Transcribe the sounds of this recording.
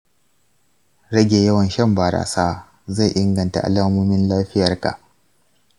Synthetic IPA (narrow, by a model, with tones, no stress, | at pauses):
ɾɐ˦ɡʲeː˨jɐ˦wɐ˨nʃɐ˦˨mbaː˨ɾa̰ː˨saː˦ | za˦˨jʔɪ˦ŋɡɐ˨nta̰˨ʔa̰˨laː˦moː˦mɪ˦nlaː˦ɸɪ˦jɐ˨rka̰˨ʔ